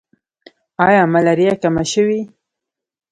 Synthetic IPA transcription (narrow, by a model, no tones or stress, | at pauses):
ɑjɑmalaɾijakamaʃəwi